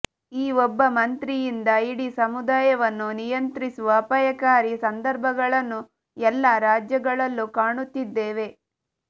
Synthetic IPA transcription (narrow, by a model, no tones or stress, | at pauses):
iːɔbːɐmɐnt̪ɾijind̪ɐiɽisɐmud̪aːjɐʋɐnːunijɐnt̪ɾisuʋɐːpɐjɐkaːɾisɐnd̪ɐɾbʱɐɡɐɭɐnːu | ɛlːaɾaːd͡ʒjɐɡɐɭɐlːukaːɳut̪ːid̪ːeːʋe̞